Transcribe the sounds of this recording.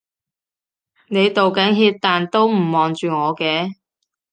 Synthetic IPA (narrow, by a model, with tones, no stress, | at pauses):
ne˨˧jt̪o˨wkɐ˨˥ŋɦiː˧t̚t̪aː˨nt̪o˥wm̩˨˩mɔː˨˩ŋt͡ʃyː˨ŋɔː˨˧kɛː˧